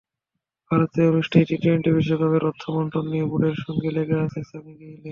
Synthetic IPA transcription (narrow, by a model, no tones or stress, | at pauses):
b̥ʱaɾot̪eonuʃʈʰeʈiʈɾeɳʈebiʃokʰɔbeɾɔt̪ʰːomɔɳʈonːiobuɖeɾʃɔŋɡeleɡeasʰesamiɡele